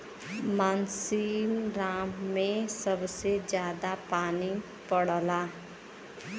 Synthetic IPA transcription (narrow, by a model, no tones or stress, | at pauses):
maːnsinɾaːmːẽsəbsed͡ʒjaːd̪apaːni | pəɽla